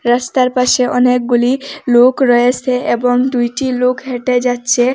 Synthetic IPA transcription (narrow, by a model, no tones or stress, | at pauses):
ɾast̪aɾpaʃeʔɔnek̚ɡulilokɾɔet͡ɕʰeʔeboŋd̪ujʈilokɦeʈed͡ʑatːɕʰe